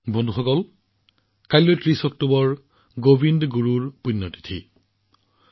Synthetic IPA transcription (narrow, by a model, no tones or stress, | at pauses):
bonduxɔkɔl | kajlːojtɹisɔk̚tobɔɹ | ɡobindɡuɹuɹpunːɔti̥tʰḭ